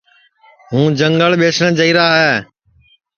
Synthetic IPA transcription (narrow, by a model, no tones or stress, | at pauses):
ɦũːd͡ʒəŋɡəɭɓeːsnə̃t͡ʃəiːɾaːɦɛː